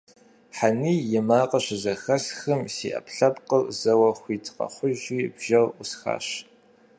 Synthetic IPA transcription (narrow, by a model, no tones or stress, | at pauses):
ħaniːjɪmaːqəɕɪzɐxɐɬxɨmsḭːʔɐ̰pɬɐpqərzɐwɐxʷiːtʰqɐ̰χʷʊʒiːbʒɐrʊsxa̰ːɕ